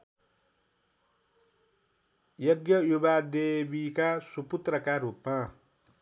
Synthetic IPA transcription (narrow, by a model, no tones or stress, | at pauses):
jʌɡjʌjubad̪ebikasuput̪rʌkaɾupma